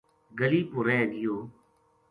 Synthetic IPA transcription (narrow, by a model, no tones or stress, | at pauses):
ɡəliːpʊɾɛːɡɪjoː